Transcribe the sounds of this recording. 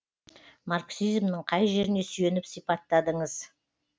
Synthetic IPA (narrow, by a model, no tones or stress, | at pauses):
maɾksizmnəɴqʰɑjʒe̞ɾɪne̞sʏje̞nɪpsijpɑt̪ːɑd̪əɴəz̥